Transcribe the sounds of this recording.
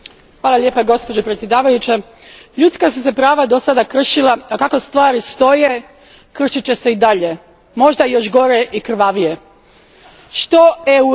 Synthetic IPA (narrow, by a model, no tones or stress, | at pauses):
xʋaːlˠalʲje̞ːpaɡo̞spo̞d͡ʑepɾet̪sje̞d̪aːʋajut͡ɕe | ʎut̪skasuse̞pɾaːʋad̪o̞sad̪akr̩ʃilaakako̞st̪ʋaːɾist̪o̞je̞ | kr̩ʃit͡ɕe̞se̞id̪aʎe̞ | mo̞ʒd̪ajo̞ʃɡo̞ɾe̞ʔikr̩ʋaʋije̞ | ʃt̪o̞eu